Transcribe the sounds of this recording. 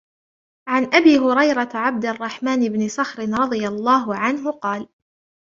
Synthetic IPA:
ʕanʔabiːɦʊɾɑjɾˤɑʕab̚d̪rˤːɑħmaːnɪbnɪsɑxɾɪnɾˤɑd̪ˤɨjalˤːɑːɦʊʕanɦʊqɑːl

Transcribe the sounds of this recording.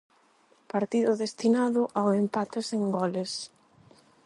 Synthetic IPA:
paɾt̪iðʊðest̪inaðʊʔawempat̪eseŋɡɔles

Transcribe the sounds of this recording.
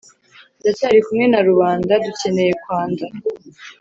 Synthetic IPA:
dataɾikumŋe̞naɾuβaːndaduce̞ne̞je̞kwaːnda

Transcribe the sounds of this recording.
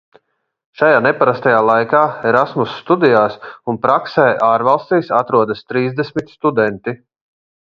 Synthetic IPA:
ʃajaːnɛpaɾast̪ajaːlˠajkaːɛɾasmusːt̪ud̪ijaːsunpɾaksɛjʔaːɾvalˠst̪iːsat̪ɾuɔd̪ast̪ɾiːzd̪ɛsʲmit̪st̪ud̪ɛnt̪i

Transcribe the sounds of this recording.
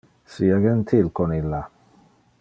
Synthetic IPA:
siaɡənt̪ʰɪlkʰɔnɪlːa

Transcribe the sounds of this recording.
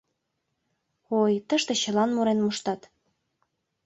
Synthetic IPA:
ojt̪ə̆ʃt̪ĕɕə̆lɑnmuɾenmuʃt̪ɑt̪

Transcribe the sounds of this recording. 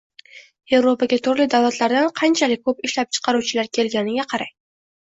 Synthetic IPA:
e̞vɾopaɡʲat̪ʰʊɾlɪd̪awlˠat̪laɾd̪anqʰɑnt͡ʃʰalɪk̚ʲkʰɵpɪʃlap̚t͡ʃʰɨ̥qʰɑɾuwt͡ʃʰɪlaɾkʲʰe̞lɡʲanɪɡʲaqʰɑɾaj

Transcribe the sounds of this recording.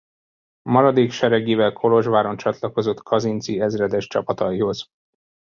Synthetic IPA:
mɒɾɒd̪eːkʃɛɾɛɡeːvɛlkʰo̞lo̞ʒvaːɾo̞nt͡ʃɒt̪lɒko̞zo̞t̪kʰɒzint̪siɛzrɛd̪ɛʃt͡ʃɒ̰pɒt̪ɒiho̞z̥

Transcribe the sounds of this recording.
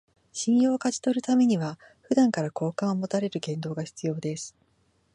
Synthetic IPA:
ɕĩmijoːkad͡ʑi̥t̪o̞ɾɯ̟t̪ame̞ɲ̟iβa | ɸɯ̟d̪ãŋkaɾako̞ːkãɰ̃omo̞t̪aɾe̞ɾɯ̟ɡẽ̞nd̪o̞ːɡaçi̥t͡sɨjo̞ːd̪e̞sɨ̥

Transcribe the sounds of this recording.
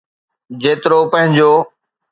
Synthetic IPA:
d͡ʑeːt̪ɪɾopɐ̃ɦɪ̃ɲd͡ʑoː

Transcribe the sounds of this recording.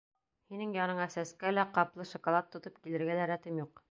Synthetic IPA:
hinɘŋjɑnɤɴæsæskælæqɑplˠɤʃŏkŏlˠɑt̪ːŏt̪ɤpkilɘ̆ɾɡælæɾæt̪ɘmjuq

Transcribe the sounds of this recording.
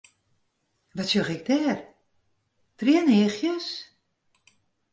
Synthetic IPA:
ʋɔtsjoxɪk̚dɛːr | triənɪːxjəs

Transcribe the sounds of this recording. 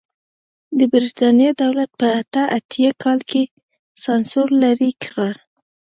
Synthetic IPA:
d̪əbɾit̪ɑnijed̪awlat̪̚pəat̪aʔat̪ʰjakʰɑlke | sɑnsoɾlaɾikʰɾa

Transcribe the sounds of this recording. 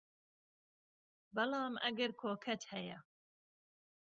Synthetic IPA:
bɐlɑːmʔɐ̰ɡɐɾkʰoːkʰɐt̪hɛjɐ

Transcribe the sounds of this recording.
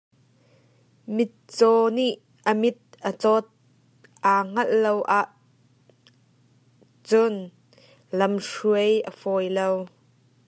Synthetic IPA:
mɪt̪̚t͡sɔniʔ | əmɪt̪̚ʔət͡sɔt̪̚ | ʔaːŋ̥ɐllowʔaːʔ | t͡sʊn | lɐmʂuəjʔəfɔjlow

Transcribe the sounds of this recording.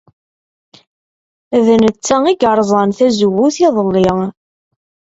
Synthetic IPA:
ðənət͡sːæiɡəɾˤzˤɑnθæzuwːuθiðˤəlːɪ

